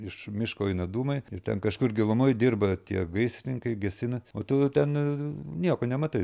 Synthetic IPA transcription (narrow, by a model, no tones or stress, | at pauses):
ɪʃmʲɪʃkoːɛɪnɐd̪uːmɐɪɪrt̪ʲɛnkɐʃkʊrɡʲɪlˠʊmojd̪ʲɪrbɐt̪ʲiɛɡɐɪsʲnʲɪŋkɐɪɡʲɛsʲɪnɐoːt̪ʊt̪ʲɛnnʲiɛkoːnʲɛmɐt̪ɐɪ